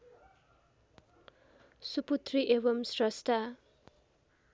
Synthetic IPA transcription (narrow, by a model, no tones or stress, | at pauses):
suput̪riʔeβʌmsrʌsʈʰa